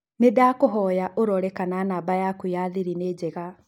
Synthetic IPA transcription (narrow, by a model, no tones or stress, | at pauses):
nedaːkoɦɔjaʔoɾɔɾɛkananabajakujaðiɾineːd͡ʑɛɣa